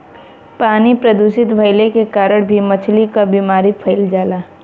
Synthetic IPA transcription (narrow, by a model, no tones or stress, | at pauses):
paːnipɾɐd̪usɪt̪bʱɐɪlekekaːɾəɽ̃bʱimɐt͡ʃʰlikabiːmaːɾipʰɐɪld͡ʒaːlaː